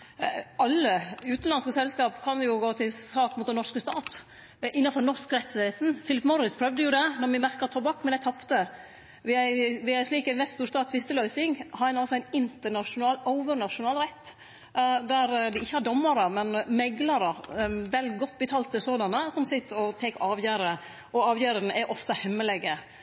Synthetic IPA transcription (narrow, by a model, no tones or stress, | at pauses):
ɑlːəʉːt̪n̩lɑnskəsɛlskɑːpkʰɑnjʊɡoːt̪ʰɪlsɑːkmuːt̪d̪ɛnɔʂkəst̪ɑːt̪ | ʔɪnːɑfɔɾnɔʂkɾɛt̪ʰːɪeːt̪n̩fɪlɪpmɔɾɪspʰɾœʋd̪əjʊd̪ɛnɔɾmɪmæɾkəɾt̪ʰɔbɑkːmɛnd̪æɪt̪ʰɑpt̪ə | ʋɪæʋɪæʂliːkæɪnʋɛst̪st̪uːɾʂt̪ɑːt̪ʰʋɪst̪əlœʏsɪŋhɑɾɛɪnɑlsɔæɪnɪnt̪əɳɑʂʊnɑːləʊʋəɾnɑʂʊnɑːlɾɛt̪ː | d̪æɾd̪ɪɪçːəhɑɾɖɔmːəɾəmɛnmɛɡlɑɾəʋɛlɡɔt̪̚ːbət̪ʰɑːlt̪ɪsoːd̪ɑnəsɔmsɪt̪ːɔt̪ʰɛkɑːʋjæːɾə | ʔɔɑːʋjæːɾəɾnəʔɛʔɔft̪əhɛmːəlɛɡə